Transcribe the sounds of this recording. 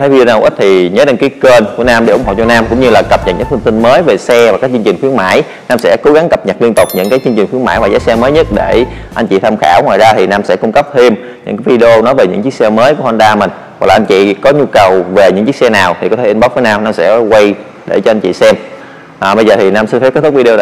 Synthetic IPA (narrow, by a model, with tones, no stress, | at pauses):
t̪ʰə˨˦vi˧o˧naː˧wʔi˦˥t̚t̪ʰi˨˩ɲəː˨˦ɗe˧ŋki˨˦kəː˧nku˧˩ənaː˧mɗe˧˩ʔʊ˧˩ŋ͡mho̰˧˨˩t͡ɕɔ˧naː˧mkʊ̰˧˥ŋ͡mɲɨ˧laː˨˩kə˨˩p̚ɲə̰˨˩ɲɨ̰ː˧˥fɨ˧ŋt̪i˧nməː˨˦jve˨˩sɛ˧va˨˩kaː˦˥k̚t͡ɕɨ˧ŋt͡ɕï˨˩ŋ̟xwi˨˦ma̰ː˧˥˩j | naː˧msɛ̰˧˥ko˨˦ɣa˨˦ŋkə˨˩p̚ɲə˨˩t̚li˧ənt̪ʊ˨˩k͡p̚ɲɨ̰˧˥ŋkaː˨˦jt͡ɕɨ˧əŋt͡ɕï˨˩ŋ̟xi˨˦əma̰ː˧˩jvaː˨˩zaː˨˦sɛ˧məː˨˦jɲə˦˥t̚ɗe˧˩ | ʔa˧nŋt͡ɕḭ˧˨˩t̪ʰa˧mxaː˧˩wŋwa̰ː˨˩jzaː˧t̪ʰi˨˩naː˧msɛ̰˧˥kʊ˧ŋ͡mkə˦˥p̚t̪ʰe˧m | ɲɨ̰˧˥ŋkaː˨˦jvi˧ɗe˧o˧nɔ˨˦jve˨˩ɲɨ̰˧˥ŋt͡ɕɨ˦˥k̚sɛ˧məː˨˦jku˧˩əʔa˧nɗaː˧mï̟˨˩ | wk̚laː˨˩ʔn̟t͡ɕḭ˧˨kɔ˨˦ɲu˧kə˨˩wve˨˩ɲɨ̰˧˥ŋt͡ɕi˦˥k̚sɛ˧naː˨˩wt̪ʰi˨˩kɔ˨˦t̪ʰʔnɓa˦˥t̚fiː˨˦jnaː˧mnaː˧msɛ̰˧˥kwa˧j | ɗe˧˩t͡ɕɔ˧ʔa˧jnt͡ɕḭ˧˨sɛ˧m | ʔːɓə˧jzəː˨˩t̪ʰi˨˩naː˧msi˧nfa˧˦˥pkt̪ʰk̚vi˧e˧˨˩